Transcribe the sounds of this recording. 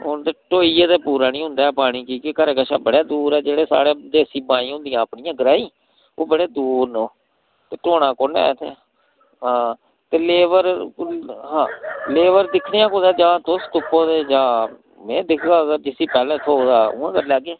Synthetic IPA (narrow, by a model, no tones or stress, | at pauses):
ʊnd̪eːʈoːiːeːt̪eːpuːɾaːnĩːɦʊ̃nd̪aːɛːpaːɽ̃iːkiːkekəɾeːkəʃa̰ːbəɽaːd̪uːɾɛːd͡ʒeːɽeːsa̰ːɽeːd̪eːsiːbãːĩːɦʊ̃nd̪ɪjãːəpnɪjãːɡəɾaːĩː | oːbəɽeːd̪uːɾnõː | t̪eːʈoːɽãːkoːnɛ̰ːt̪ʰḛː | ɦãː | t̪eːleːʋəɾ | ɦãːleːʋəɾd̪ɪkʰneãːkoːd̪aːd͡ʒãːt̪ost̪ʊpõːd̪eːd͡ʒãː | mɛ̰̃ːd̪ɪkʰɡaːɡəɾd͡ʒɪsiːpɛːlɛ̃ːt̪ʰoːd̪aːʊ̰ːãːkəɾlɛːɡeː